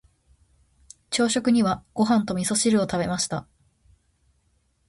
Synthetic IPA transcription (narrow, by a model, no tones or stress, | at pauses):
t͡ɕo̞ːɕo̞kɯ̟ɲ̟iβaɡ̥o̞ɦãnt̪o̞mʲiso̞ɕiɾɯ̟o̞t̪abe̞maɕi̥t̪a